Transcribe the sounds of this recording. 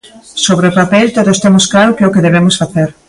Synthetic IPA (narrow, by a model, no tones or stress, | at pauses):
soβɾeopapelt̪oðost̪emoskaɾokeokeðeβemʊsfaθeɾ